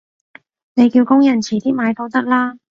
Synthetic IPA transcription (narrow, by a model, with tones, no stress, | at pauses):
ne˨˧jki˧wkʊ˥ŋjɐ˨˩nt͡sʰiː˨˩t̪iː˥maː˨˧jt̪ʰo˨˥wt̪ɐ˥k̚laː˥